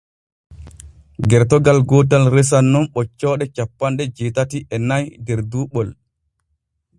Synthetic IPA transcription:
ɡɛɾtɔɡalɡɔt̬alɾɛs̬anːɔnɓɔt͡ʃːɔːɗɛt͡ʃapːanɗɛd͡ʒeːtatiʔɛnajdɛɾduːɓɔl

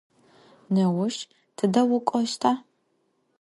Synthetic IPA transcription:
nɐwʊʃ | tʰɨdɐwʊkʷʼɔʃtʰaː

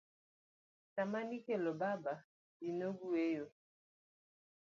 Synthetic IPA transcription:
tamanikelɔbaba | dinoɡuejo

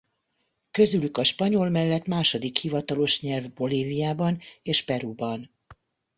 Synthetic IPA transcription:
kø̞zylykɒʃpɒɲo̞lmɛlːɛt̪maːʃo̞d̪ikhivɒt̪ɒlo̞ʃɲɛlvbo̞liːvijaːbɒneːʃpɛɾubɒn

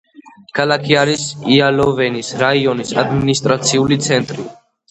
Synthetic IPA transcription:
kʰalakʰiaɾisialɔvɛnisɾaiɔnisad̪minist̪ʼɾat̪sʰiulit̪sʰɛnt̪ʼɾi

